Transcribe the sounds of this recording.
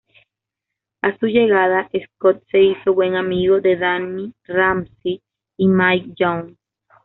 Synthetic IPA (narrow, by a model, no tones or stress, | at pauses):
asuʝe̞ɣaðaʔeskot̪̚se̞iso̞βwe̞ŋamiɣoðe̞ðaniramsiː | majk̚d͡ʒoŋ